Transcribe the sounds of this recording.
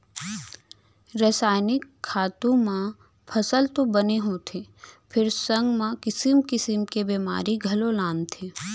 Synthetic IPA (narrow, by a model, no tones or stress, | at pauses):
ɾəsaːɪnɪkʰːaːt̪ũmã | pʰɐsəlt̪obɐneɦot̪ʰepʰɪɾsə̃ŋɡmãkɪsɪmkɪsɪmkebeːma̰ːɾiɡʱɐlolãːnt̪ʰeː